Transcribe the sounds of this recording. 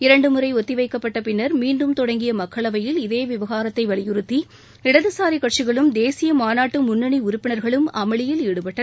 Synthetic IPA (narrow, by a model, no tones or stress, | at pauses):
ɪɾɐɳɖɯmɯɾɐɪɔt̪ːɪʋɐɪkːɐpːɐʈːɐpɪnːɐɾmiːɳɖɯmt̪ɔɽɐŋɡɪjɐmɐkːɐɭɐʋɐjɪlɪðeːʋɪʋɐɣaːɾɐt̪ːɐɪʋɐɭɪjɯɾɯt̪ːi | ɪɽɐðɯsaːɾikɐʈt͡ʃɪɣɐɭɯmd̪eːsɪjɐmaːnaːʈːɯmʊnːɐɳiʊɾʊpːɪnɐɾɣɐɭɯmʔɐmɐɭɪjɪleːɽɯpɐʈːɐ